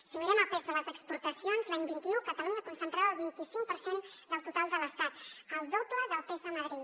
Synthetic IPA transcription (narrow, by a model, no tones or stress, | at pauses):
simiɾɛməpezðələzəkspuɾt̪əsionzlaɲbint̪iukət̪əluɲəkunsənt̪ɾaβəlˠβint̪isiŋk̚pəɾsend̪əlˠt̪ut̪alˠd̪ələst̪at̪əlˠd̪opləðəlpezðəməɣɾi